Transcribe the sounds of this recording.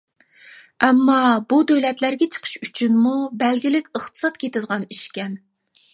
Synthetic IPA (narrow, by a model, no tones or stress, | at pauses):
ɛmːɑbud̪øwlɛt̪læɾɡʲɛt͡ʃʰə̥qʰə̥ʃyt͡ʃʰynmubɛlɡʲilɪkʲəχt̪ɨ̥sɑt̪kʲʰet̪ɪd̪ʁɑniʃkʲɛn